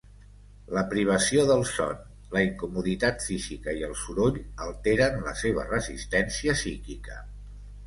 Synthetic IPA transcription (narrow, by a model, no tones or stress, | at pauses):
ləpɾiβ̞əsioðəlˠsɔ̰n | ləiŋkumuðit̪at̪fizikəiəlˠsuɾoʎəlˠt̪eɾənlə̰seβ̞ə̰rəzist̪ɛnsiəsikikə